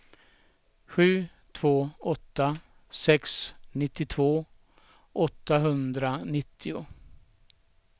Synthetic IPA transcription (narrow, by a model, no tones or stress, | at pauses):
ɧʉ̟ː | t̪ʰv̥oːɔt̪ːa | sɛksnɪt̪ːɪt̪ʰv̥oː | ʔɔt̪ːaɦɵnd̪ɾanɪt̪ʰːɪʊ̰